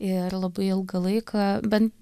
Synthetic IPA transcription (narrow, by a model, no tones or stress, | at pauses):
ɪɾlˠɐbɐɪɪlˠɡɐlˠɐɪkʰɐbʲɛnt̪